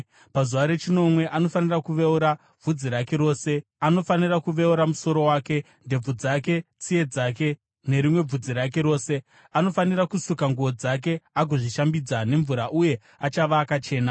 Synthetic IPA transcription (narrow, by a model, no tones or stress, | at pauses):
pazuʋaɾe̞t͡ʃino̞mwe̞ʔano̞fanirakuʋe̞uɾa | b͡vud͡ziɾake̞ɾo̞ːse̞ | ano̞fanirakuʋe̞uɾamuso̞ɾo̞waːke̞ | nde̞b͡vud͡zake̞t͡sije̞d͡zaːke̞ | ne̞ɾimwe̞b͡vud͡ziɾak̬e̞ɾo̞ːse̞ | ano̞fanirakusukaŋɡuʋo̞d͡zak̬e̞aɡʱoʐiʃambid͡zane̞ɱvuɾaʔuje̞ | at͡ʃaʋaːkat͡ʃe̞ːna